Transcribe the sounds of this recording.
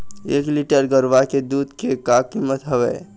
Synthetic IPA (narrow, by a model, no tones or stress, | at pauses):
eːkliʈəɾɡəɾʋaked̪uːd̪kekakimːət̪ɦɐʋɛː